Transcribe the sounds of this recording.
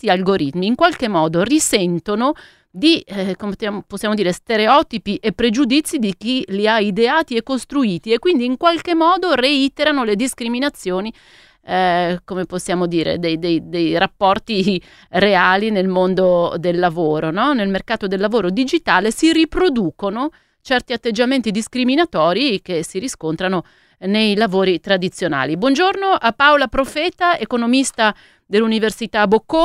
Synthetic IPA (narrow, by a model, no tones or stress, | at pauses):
ialɡoɾit̪miːŋkwalkemːɔːd̪orisɛnt̪ono | d̪ikomeaposːjaːmod̪iːɾest̪eɾeɔt̪ipiʔepːɾed͡ʒud̪it̪sːid̪ik̟iliaid̪eaːt̪iekːost̪ɾuiːt̪iekːwind̪iːŋkwalk̟emːɔːd̪oreit̪eɾanoled̪iskɾiminat̪sːjoːni | komeposːjaːmod̪iːɾḛd̪ejd̪ejd̪ejrapːɔrt̪i | reaːlinelmond̪od̪elːavoːɾonɔnelmerkaːt̪od̪elːavoːɾod̪id͡ʒit̪aːlesiripɾod̪uːkono | t͡ʃɛrt̪iat̪ːed͡ʒːament̪id̪iskɾiminat̪ɔːɾikesiɾiskont̪ɾano | nejlavoːɾit̪ɾad̪it̪sːjona̰ːlibwɔnd͡ʒornoʔapːawlapɾofɛːt̪aekonomist̪a | d̪elːuniversit̪abokːo